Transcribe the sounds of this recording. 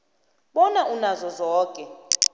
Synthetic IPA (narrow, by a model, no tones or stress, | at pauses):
ɓɔnaʔunazɔzɔːkʼɛ